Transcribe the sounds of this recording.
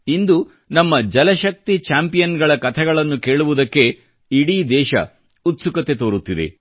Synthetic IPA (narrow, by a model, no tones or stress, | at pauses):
ind̪u | nɐmːɐd͡ʒɐlɐʃɐk̚t̪it͡ʃaːmpijɐnɡɐɭɐkɐt̪ʰɛɡɐɭɐnːuke̞ːɭuʋud̪ɐkːe̞ | iɽid̪ɛːʃɐ̰ | ut̪sukɐt̪e̞t̪o̞ːɾut̪ːid̪ḛ